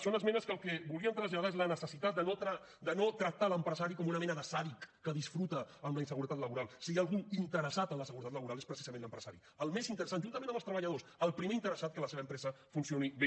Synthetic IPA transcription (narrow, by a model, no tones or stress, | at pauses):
ʃɔnəzmɛnəskəlˠkɛβuliənt̪ɾəzʎaðaezlənəsəsit̪at̪̚d̪ənot̪ɾa | d̪ənot̪ɾək̚t̪aləmpɾəzaɾikɔmunəmɛnəðəsaβikːəðisfɾut̪əːmləinsəɣuɾət̪at̪ləβuɾalˠsiaːlˠɣuint̪əɾəsat̪əmləsəɣuɾət̪at̪ləβuɾalˠespɾəsizəmẽnləmpɾəsaɾi | əlˠmezint̪əɾəsanʒunt̪əmẽnəmbəlˠst̪ɾəβəʎəðosəlˠpɾimeint̪əɾəsat̪̚kələseβəmpɾɛzə | funsioniβe